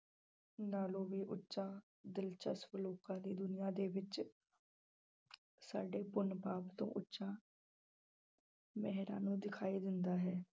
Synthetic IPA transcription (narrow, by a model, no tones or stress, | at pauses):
naːlõːʋiːʔʊtːʃãː | d̪ɪlt͡ʃə̰sʋloːkãːd̪iːd̪ʊnɪjãːd̪eːʋɪt͡ʃ | sa̰ːɖeːpʊnpaːpt̪õ̰ːʔʊtːʃãː | mɛɦɾã̰ːnũːd̪ɪkʰaːiːd̪ɪnd̪aːɦɛː